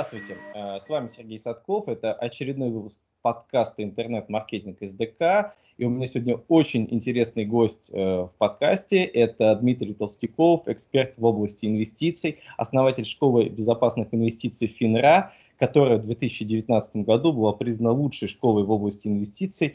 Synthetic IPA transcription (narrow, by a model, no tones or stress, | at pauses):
d̪ɾast̪vʊjtʲɪəsvamʲɪsʲɪrɡʲejsɐt̪ko̞fɛt̪əʔɐt͡ɕɪɾʲɪd̪no̞jvɨpʊsk̚pɐt̪kast̪əɪnt̪ɨrnɛt̪mɐrkʲetʲɪnkɨzd̪ɨka | iʊmʲɪnʲasʲɪvodʲnʲəot͡ɕɪnʲɪ̰nʲtʲɪɾʲe̞snɨjɡo̞sʲtʲəfpɐt̪kasʲtʲɪʔɛt̪əd̪mʲit̪ɾʲijt̪əlˠsʲtʲɪkofɪkspʲe̞rt̪vo̞blˠəsʲtʲɪɪnvʲɪsʲtʲit̪sɨjɐ̰snɐvatʲɪlʲʂko̞lˠɨbʲɪzɐpasnɨxɪnvʲɪsʲtʲit̪sɨjfʲɪnɾa | kɐt̪o̞ɾɨjəvd̪vʲe̞t̪ɨsʲɪt͡ɕːɪdʲɪvʲɪt̪ʲnat̪sɨt̪əmɡɐd̪ubɨlˠapɾʲizənəlˠutʂɨjʂko̞lˠɨvo̞blˠəsʲtʲɪɪnvʲɪsʲtʲit̪sɨj